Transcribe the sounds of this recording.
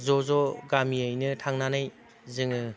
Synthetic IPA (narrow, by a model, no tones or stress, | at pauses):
zɔzɔɡamiəjnɯtʰaŋnanaj | zɯŋɯ